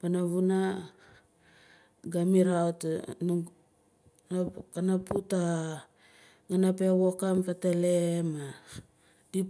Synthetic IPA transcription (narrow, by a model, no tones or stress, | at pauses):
panaβuna | ɡamiɾaot | nakanaputa | ɡanapewokampatelema | di